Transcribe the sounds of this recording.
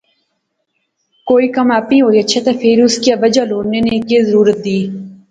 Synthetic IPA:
koːiːkɐmaːpĩːɦoːiɐtːʃʰat̪ʰafʰeɾʊskiaʋəd͡ʒaloːɽnenekezəɾuːɾət̪̚d̪iː

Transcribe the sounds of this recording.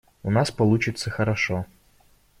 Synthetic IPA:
ʊnaspɐlˠut͡ɕɪt̪səxəɾɐʂɔ

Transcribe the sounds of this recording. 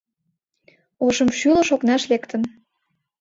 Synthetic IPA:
oʃəmʃylə̆ʃoknɑʃlekt̪ə̆n

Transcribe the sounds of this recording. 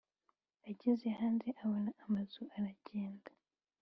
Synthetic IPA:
aɟizehaːnzeʔaβonaʔamazuʔaɾaɟeːndḁ

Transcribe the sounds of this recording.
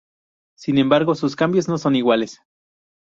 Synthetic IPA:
sinembaɾɣosuskambjosnosoniɣwales

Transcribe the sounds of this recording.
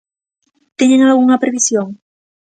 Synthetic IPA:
t̪eɲeŋalɣuŋɐpɾeβisjoŋ

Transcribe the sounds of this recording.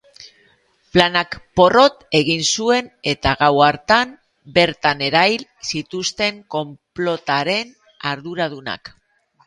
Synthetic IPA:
planakpo̞ro̞t̪e̞ɣinsue̞ne̞t̪aɣawaɾt̪am | be̞ɾt̪ane̞ɾajlsit̪ust̪e̞ŋko̞mplo̞t̪aɾe̞n | aɾðuɾaðuna̰k

